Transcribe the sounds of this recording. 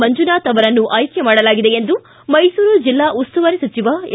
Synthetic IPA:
mɐɲd͡ʒunaːt̪ɐʋɐɾɐnːuʔaːjkjɐmaːɽɐlaːɡid̪e̞end̪u | mɐjsuːɾud͡ʒilːaːʔust̪uʋɐɾesɐt͡ʃiʋa

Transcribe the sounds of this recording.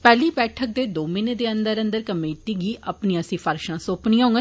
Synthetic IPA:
pɛːliːbɛːʈʰək̚d̪eːd̪oːmɪneːd̪eːənd̪əɾə̃nd̪əɾkəmeːt̪iːɡiːʔəpniːãːsĩːpʰəɾʃãːsoːpnĩːãɦõŋɡ

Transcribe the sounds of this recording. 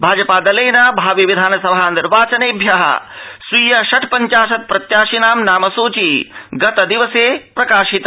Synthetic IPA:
bʱaːd͡ʒɐpaːd̪ɐleːjnaːbʱaːʋiʋid̪ʱaːnɐsɐbʱaɐniɾʋaːt͡ʃɐneːbʱjɐɦɐ̰sʋiːjɐʃɐʈʰpɐɲt͡ʃaːʃɐt̪̚pɾɐt̪jaːʃinaːmnaːmɐsuːt͡ʃiɡɐt̪ɐd̪iʋɐseːpɾɐkaːʃit̪

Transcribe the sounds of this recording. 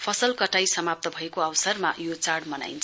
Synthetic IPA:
pʰʌsʌlkʌʈajsʌmap̚t̪ʌbʱʌekoʌwsʌrma̰jot͡saɽmʌna̰jnt͡sʰʌ

